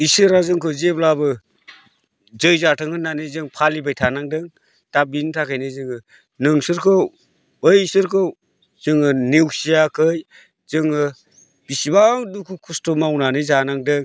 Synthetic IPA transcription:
isɯɾazɯŋkʰɯzeblabɯ | zɯjzatʰɯŋɯnːanɯzɯŋpʰalibajtʰanaŋdɯŋ | tabintʰakʰajnɯzɯŋɯ | nɯŋsɯɾkʰɯw | ɯjisɯɾkʰɯw | z̥ɯŋɯniwsijakʰɯj | zɯŋɯ | b̥isibaŋdukʰukʰustomawnanɯzanaŋdɯŋ

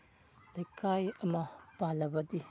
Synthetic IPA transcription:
d̥ɐjkʰajɐmɐpalɐbɐdi

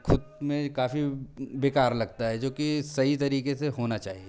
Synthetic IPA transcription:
kʰʊd̪mẽkaːfibeːkaːɾlɐɡ̚t̪aɦɛd͡ʒoːkisɐɦit̪ɐɾiːkeseɦoːnat͡ʃaːɦie

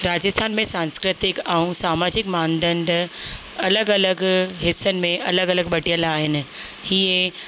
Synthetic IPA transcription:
ɾaːd͡ʒəst̪ʰaːnmẽsãːnskɾɪt̪ɪkaũsaːmaːd͡ʑɪkmãːnd̪ə̃ɳɖ | ɐləɡɐləɡɦɪsːənɪ̆mẽʔɐləɡɐləɡɓɐʈijəlaːɦɪnɪ̆hie

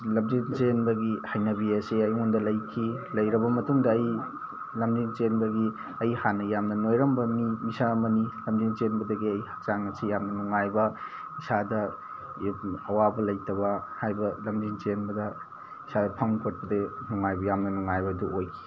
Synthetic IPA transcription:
lɐmzint͡ʃenbɐɡihajnɐbiɐseɐjŋundɐlɐjkʰilɐjɾɐbɐmɐtuŋdɐːj | lɐmdiŋt͡ʃenbɐɡi | ɐjhanɐjamnɐnojɾɐmbɐmimisamɐnilɐmdiŋt͡ʃenbɐdɐɡiɐjhat͡ʃaŋɐsijamnɐnuŋajbɐ | isadɐ | ɐwabɐlɐjtɐbɐhajbɐlɐmdiŋt͡ʃenbɐdɐ | isadɐpʰɐŋkʰot̚pɐdenuŋajbɐjamnɐnuŋajbɐduojkʰi̥

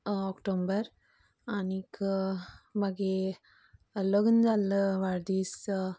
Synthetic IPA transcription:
ɔkʈombəɾ | anik | maɡe | loɡənd͡ʒaləʋaɾd̪is

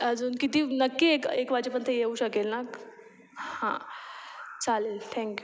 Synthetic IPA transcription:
əd͡zuːnkit̪iːnəkːiekekʋat͡ɕepəɳt̪ʰejeuɕəkelnak | hã̰ | t͡salelt̪ʰɛ̃ŋkju

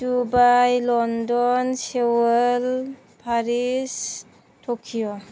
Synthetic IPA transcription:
dubajlɔndɔnsewəl | pʰaɾis | tʰokʰijɔ

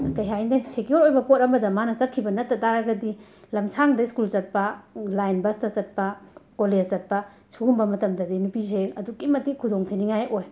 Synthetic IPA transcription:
kɐjɦajnɐsekjoɾojbɐpot̚ɐmɐdɐmanɐt͡ʃɐt̚kʰibɐnɐt̚ːɐtaɾɐɡɐdi | lɐmsʰaŋdɐiskulzɐt̚pɐlajnbɐstɐt͡ʃɐt̚pɐkoled͡ʒɐt̚pɐ | suɡumbɐmɐtɐmdɐdinupizeɐdukimɐtikʰudoŋtʰiniŋajʔoj

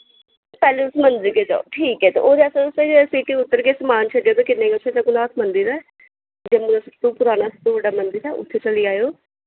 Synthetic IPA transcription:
pɛːleʊsmənziked͡ʒa̰ːo̰ʈʰiːkɛːt̪ḛʔoːd̪eəsə̃ʊsed͡ʒsiːʈiːʊt̪ːəɾkesəmaːnt͡ʃʰəɖejoːt̪ekɪnːẽːɡʊt̪ʰːet̪aɡʊnaːt̪ʰmənd̪iɾɛː | d͡ʒemũd̪ast̪uːpʊɾaːnaːst̪õʋəɖaːmənziɾɛːʊ̰t̪ʰːeːt͡ʃəliːaːjoː

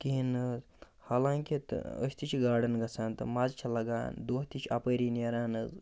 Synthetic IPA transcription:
k̪inɨ | haːlãːŋkit̪ə̰sʲt̪ʰit͡ʃʰiɡaːɖɐnɡɐt͡sʰaːnt̪ɨmazt͡ʃʰɐlɐɡa̰ːnd̪oːɦt̪ʰit͡ʃʰiɐpəːɾinɐɾaːnɨz

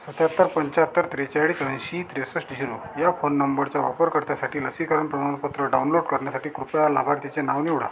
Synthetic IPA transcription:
sət̪jat̪ːəɾpəɲt͡ɕat̪ːəɾt̪ɾet͡ɕaɭiːsə̃j̃ɕit̪ɾesəsʈd͡ʑʱiɾo | jafonːəmbəɾt͡ɕaʋa̰pəɾkəɾt̪jasaʈiːləsikəɾəɳpɾəmanpət̪ɾəɖawunloɖkəɾɳjasaʈiːkɾupjala̰bʱaɾt̪it͡ɕenaʋniʋɽ̤a̰

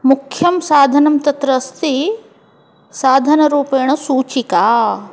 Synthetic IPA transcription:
mukʰjɐmsaːd̪ʱɐnɐmt̪ɐt̪ɾɐst̪i | saːd̪ʱɐnɐɾuːpeːɳɐsuːt͡ʃikaː

